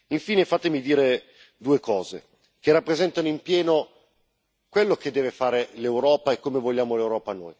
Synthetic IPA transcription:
iɱfiːnefat̪emid̪iːɾe | d̪uːekɔːze | k̟erːapːɾezɛnt̪anoimpjɛːno | kwelːoked̪ːɛːvefaːɾelewɾɔːpaekːomevoʎːaːmolewɾɔːpano̰ːj

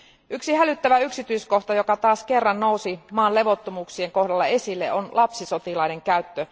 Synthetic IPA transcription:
ʔyksihælyt̪ːæʋæyksit̪yisko̞ht̪ɑjokɑt̪ɑːske̞rːɑnno̞uwsimɑːnle̞ʋo̞t̪ːomuːksie̞ŋko̞hdɑlːɑe̞silːḛʔonlʔɑpsisot̪ilɑine̞ŋkæyt̪ːø

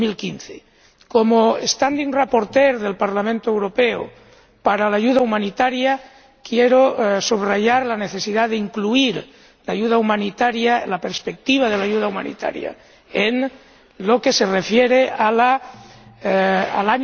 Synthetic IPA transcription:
milkinθe | komoest̪and̪iŋrapoɾt̪eɾðe̞lpaɾlamẽnt̪oewɾopeo̰ | paɾalaːʝuðaumanit̪aɾja | kjeɾosuβraʝaɾlaneθesiðaðeiŋkluiɾ | laʝuð̞aumanit̪aɾjalapeɾspek̚t̪iβ̞að̞elaʝuð̞auma̰nḭt̪a̰ɾja̰ | en | lokese̞refjeɾeala | alaɲ

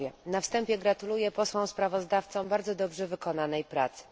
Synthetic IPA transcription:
ɛnafst̪ɛmpʲjɛɡɾat̪ulujɛpɔswɔ̃w̃spɾavɔzd̪aft̪sɔ̃w̃baɾd̪zɔd̪ɔbʐɛvɘkɔnanɛjpɾat̪sɘ̥

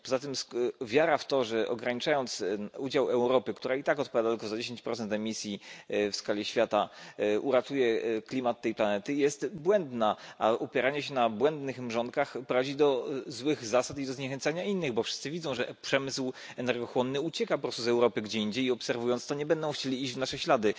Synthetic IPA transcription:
pɔzat̪ɘmsvʲjaɾaft̪ɔʐɛʔɔ̰ɡɾaɲit͡ʂajɔnt̪sud͡ʑawɛwɾɔpɘkt̪uɾait̪akɔt̪̚pɔvʲad̪at̪lkɔzad͡ʑeɕeɲt͡ɕpɾɔt̪sɛnt̪ɛmʲisʲjifskalʲiɕfʲjat̪aṵɾat̪ujɛklʲimat̪ːɛjplanɛt̪ɘjɛst̪bwɛnd̪naʔaʔupʲjɛɾaɲɛɕɛnabwɛnd̪nɘxmʐɔnt̪̚kaxpɾɔvad͡ʑid̪ɔzwɘɣzasat̪id̪ɔzɲɛxɛnt̪saɲainːɘɣbɔfʂɘst̪sɘvʲid̪zɔ̃w̃ʐɛpʂɛmɘsw | ɛnɛɾɡɔxwɔnːɘut͡ɕɛkapɔpɾɔst̪uzɛwɾɔpɘɡd͡ʑɛiɲd͡ʑejiɔpsɛɾvujɔnt̪t̪ɔɲɛbɛnd̪ɔ̃w̃xt͡ɕelʲiid͡ʑvnaʂɛɕlad̪ɘ

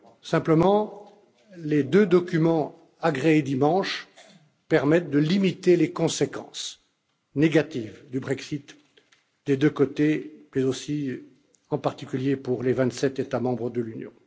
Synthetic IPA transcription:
sɛ̃pləmɑ̃ | led̪ød̪ɔkʲymɑ̃ | aɡʁeed̪imɑ̃ʃ | pɛʁmɛt̪̚d̪əlimit̪elekɔ̃sekɑ̰̃s | neɡat̪iːvd̪ybʁɛksit̪ | d̪ed̪økot̪emɛzosi | ɑ̃paʁt̪ikʲyljepuʁlevɛ̃t̪sɛt̪et̪amɑ̃bʁəd̪əlynjɔ̰̃

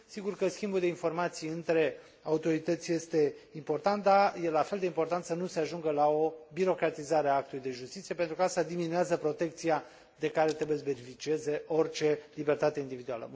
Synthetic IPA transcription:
siɡurkəskʲimbuld̪e̞info̞rmat̪sijɨnt̪ɾe̞ | aut̪o̞ɾit̪ət̪sʲje̞st̪e̞impo̞rt̪ant̪̚d̪aje̞lafeld̪e̞impo̞rt̪ant̪sənuse̞aʒuŋɡəlao̞biɾo̞kɾat̪izaɾeaak̚t̪ulujd̪e̞ʒust̪it̪sije̞pent̪ɾukaast̪ad̪iminueazəpɾo̞t̪e̞k̚t̪sija | d̪e̞kaɾe̞t̪ɾebujesbe̞nifit͡ʃieze̞ʔo̞rt͡ʃe̞libe̞rt̪at̪e̞ind̪ivid̪ua̰lə̰

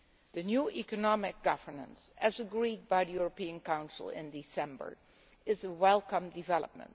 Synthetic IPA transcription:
ðɨnjuʔikɨnɑmɪk̚ɡ̥ʌvə˞nə̰̃nsɨzəɡɹid̚baɪdəjuɹəpiɨ̃nkãʊ̃nsl̩ˠɪ̰̃ndisɛ̃mbə̰˞ | ɪzəwɛlˠkʌ̃mdɨvɛlˠə̰p̚mə̰̃nt

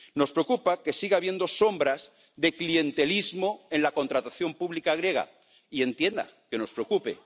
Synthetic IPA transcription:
no̞spɾeokupake̞siɣaβje̞nd̪o̞so̞mbɾaz | ðe̞klie̞nt̪e̞lizmo̞e̞nlako̞nt̪ɾat̪aθjo̞mpuβlikaɣ̞ɾje̞ɣ̞a̰ | ie̞nt̪je̞nd̪a̰ke̞no̞spɾeokupe̞̰

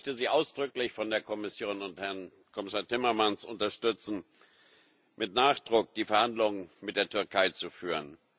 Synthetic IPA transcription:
çtəziːʔaʊsd̥ʁʏklɪçfɔndeːɐkʰɔmɪsjoːnʊnthɛɐn | kʰɔmɪsaːɐtʰɪmɐmansʔʊ̰ntɐʃtʏt͡sn̩ | mʔɪtnaːχd̥ʁʊk̚d̥iːfɛɐhandlʊŋənmɪt̚d̥eːɐtʰʏɐkʰaɪt͡sufyːʁən

